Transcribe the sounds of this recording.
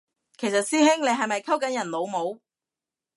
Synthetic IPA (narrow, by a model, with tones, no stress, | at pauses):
kʰe˨˩jsɐ˨t̚siː˥ɦɪ˥ŋne˨˧jɦɐ˨jmɐ˨jkʰɐ˥wkɐ˨˥njɐ˨˩nlo˨˧wmo˨˧w